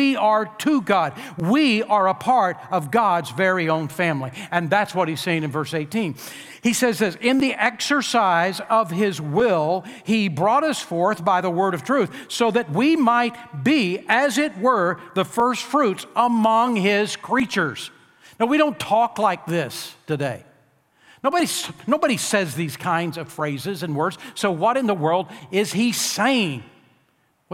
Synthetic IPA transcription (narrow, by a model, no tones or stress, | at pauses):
iə˞tʰəɡɑd̚wiə˞əpʰɑɹɾʌvɡɑdzvɛɹiõʊ̃nfæ̃mliɨ̃nðætswʌt̚hiz̥seɪɪ̃ŋɨ̃nvɜ˞seɪtʰĩn | isɛzðɪsɪ̃nðiʔɛksə˞saɪzʌv̥ɪzwɪlˠibɹɔɾʌsfɔɹθb̥aɪðəwɜ˞ɾʌv̥tʰɹ̥ʉθsoʊðɨt̚wimaɪt̚b̥iɨzɪt̚wə˞ðəfɜ˞stfɹʉtsəmʌ̃ŋɪz̥kʰɹ̥it͡ʃə˞z̥ | naʊwiɾõʊ̃ntʰɔklaɪk̚ðɪstɨdeɪ | noʊbɨɾisnoʊbɨɾisɛzðiz̥kʰãɪ̃ndzʌv̥fɹeɪzɪzɨ̃nwɜ˞dz̥soʊwʌɾɨ̃nðəwɜ˞lˠdɪz̥iseɪɪ̃ŋ